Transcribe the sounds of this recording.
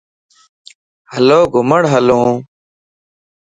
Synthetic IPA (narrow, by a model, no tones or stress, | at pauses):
hɐloːɡʱʊməɽɦɐlõː